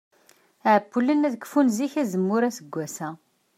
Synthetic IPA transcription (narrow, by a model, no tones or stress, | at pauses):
ʕəbːulənæðkə̥funziçæzəmːʊɾæsəɡʷːæsæ